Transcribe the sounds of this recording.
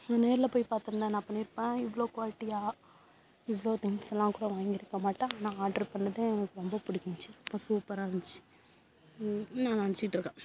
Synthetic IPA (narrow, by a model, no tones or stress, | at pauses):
nːneːɾɪlɐpoːjpaːɾt̪ɯɾɯnd̪aːnãːpɐɳːiɾɯpːẽːɪʋːɐɭoːkʋaːlɪʈːɪjaː | ɪʋɐɭoːt̪ɪŋsɛlːãːkuːɽɐʋaːŋɡɪɾɯkːɐmaːʈːãːnãːaːɾɖɐɾpɐɳːɐðeːɛnɐkːɯɾɔmbɐpʊɽɪkːɪɲt͡ʃɯɾɔmbɐsuːpɐɾaːʋɐɲd͡ʒt͡ʃːi̥ | nãːnʋɐɲt͡ʃɪkɪʈːɾɯkːẽː